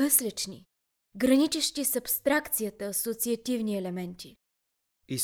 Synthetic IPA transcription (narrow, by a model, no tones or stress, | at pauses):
əslʲɛt͡ʃnḭ | ɡɾɐnit͡ʃɛʃt̪isɐpst̪ɾakt̪sijət̪əsot̪siɐt̪ivniɛlɛmɛnt̪ʲi | i